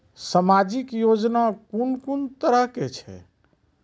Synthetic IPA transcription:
səmad͡ʒikjod͡ʒnakunkunt̪əɾəɦket͡ʃʰɛ̰

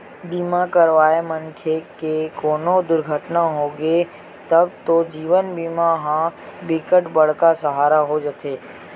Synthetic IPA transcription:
biːmakəɾʋaːemə̃nʈʰekekoːnod̪ʊɾɡʱəʈnaɦoːɡe | t̪əbt̪od͡ʒiːʋənbiːmaɦãbɪkəʈbəɽ̤kasəɦaːɾaɦod͡ʒət̪ʰeː

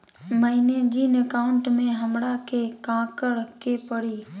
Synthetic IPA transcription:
məɦined͡ʒiːnəkaːʊɳʈmẽɦəmɽakʰekãːkəɽkʰeːpəɽiː

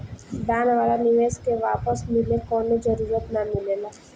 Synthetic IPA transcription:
ɖ̪aːnʋaːlanɪʋeːskeʋaːpəsmɪlekɔːnod͡ʒəɾuːɾət̪namɪleːlaː

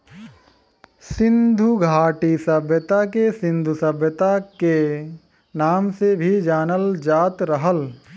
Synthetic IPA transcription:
sɪ̃nd̪ʱuɡʱaːʈisɐbʱjət̪akesɪ̃nd̪ʱusɐbʱjət̪ake | naːmsebʱid͡ʒaːnəld͡ʒaːt̪ɾəɦəl

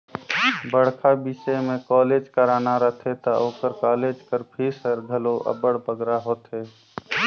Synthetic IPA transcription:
bəɽ̤kʰabiʃemẽkɔːleːd͡ʒkəɾaːnaɾəɦt̪ʰet̪aoːkəɾkaːled͡ʒkəɾpʰisəɾɡʱəloʔə̰bəɽbəɡɾaɦoːt̪ɦe

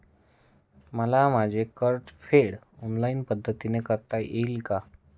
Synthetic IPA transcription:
məlamad͡ʑʱekəɾʈfʰeɽ | ɔnlainpəd̪ʱːət̪inekəɾt̪aʔelka

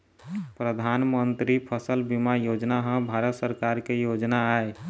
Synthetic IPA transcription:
pɾəd̪ʱanmənt̪ɾipʰəsəlbimajod͡ʒnaɦə̃bʱaɾət̪səɾkaɾkejod͡ʒnaːe

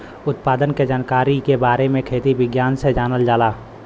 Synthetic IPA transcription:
ʊt̪paːd̪ənked͡ʒaːnkaːɾikebaːɾemẽkʰeːt̪ibɪɡjaːnsed͡ʒaːnəld͡ʒaːlaː

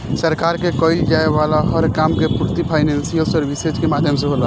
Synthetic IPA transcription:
səɾkaːɾkekɔɪld͡ʒaːeʋaːlaɦəɾkaːmkepuɾt̪ipʰaːɪnɛ̃ːnsijəlsɔːɾʋised͡ʒkemaːd̪ʱjəmseɦoːla

